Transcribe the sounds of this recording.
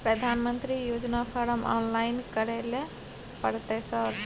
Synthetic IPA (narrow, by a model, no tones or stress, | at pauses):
pɾəd̪ʱanmənt̪ɾijod͡ʒnapʰəɾəmɔ̰nlajnkəɾele | pəɾt̪esə